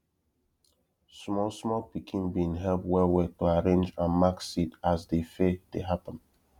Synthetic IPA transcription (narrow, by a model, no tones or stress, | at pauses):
smɔlˠsmɔpikʰĩnbĩnɦɛlpwɛwɛtuaɹẽnd͡ʒãnmaksitazdefed̥eɦapə̃n